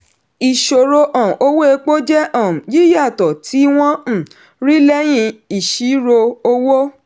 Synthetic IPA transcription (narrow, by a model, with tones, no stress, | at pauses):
i˨ʃo˨ɾo˧ʔɔ̃˨o˧˦wo˦e˧k͡po˦d͡ʒɛ˦ʔɔ̃˦˨ji˦ja˦˨tɔ˨tʰi˨˦w̃ɔ̃˦˨ | ɾi˦lɛ˦j̃ĩ˧i˨ʃi˨˦ɾo˧o˧wo˦